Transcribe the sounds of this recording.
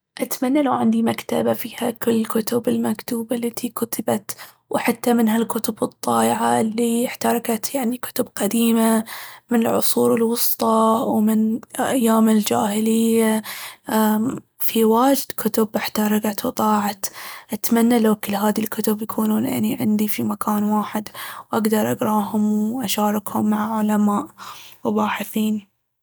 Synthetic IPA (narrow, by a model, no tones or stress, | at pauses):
ʔat̪manːalawʕɪnd̪imakt̪a̰bafiːhakʊlːɪlkʊt̪ʊbɪlmakt̪uːbalːat̪ʰikʊt̪ʰɪbat̪ | wħat̪ːamɪnɦalkʊt̪ʊbɨt̪ˤːɑːʔɪʕalːiɪħt̪ɑɾˤɑkat̪jaʕnikʊ̥t̪ʊbqad̪iːmamɪnɪlʕʊ̰sˤuːɾɪlwʊst̪ˤɑwmɪnʔajːaːmɪld͡ʒaːhɪlɪjːa | fiwaːd͡ʒɪd̪kʰʊt̪ʊbʔɪħt̪ɑɾˤɑkat̪wt̪ˤɑːʕat̪ʔat̪manːalawkɪlːɦaːðilkʊt̪ʊbjakʰuːnuːnʔɪ̰nːiʕɪnd̪ifimakʰaːnwaːħɪd̪wʔaɡd̪ɑɾˤʔɑɡɾˤɑːhʊmwʔaʃaːɾˤɪkhʊmːaʕaʕʊlamaːʔwbaːħɪθiːn